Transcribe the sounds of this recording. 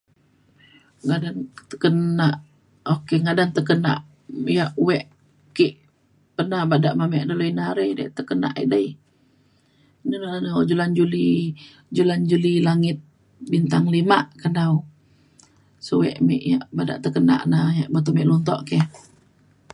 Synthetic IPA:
ŋadant̪əkənaʔ | okeŋadant̪əkəna̰ʔ | jaʔwɛʔ | kiʔ | pərnabadaʔmamɛʔdoləjnaɾəjda̰ʔt̪əkəna̰ʔḭʔdəj | nənalanəd͡ʒuland͡ʒuli | d͡ʒuland͡ʒulilaŋɪt̪̚ | bint̪aŋlimaʔkandaw | səwɛ̰ʔmḛʔja̰ʔbada̰ʔt̪əkəna̰ʔnajaʔbət̪omɛʔlunt̪ɔ̰ʔkɛ

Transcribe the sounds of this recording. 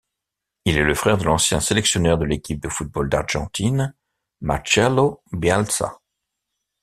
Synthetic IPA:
ilɛləfχɛʁd̪əlɑ̃sjɛ̃selɛksjɔnœʁd̪əlekʲip̚d̪əfut̪̚bold̪a̰ʁʒ̥ɑ̃t̪ʰin | ma̰t͡ʃɛlobjalsa̰

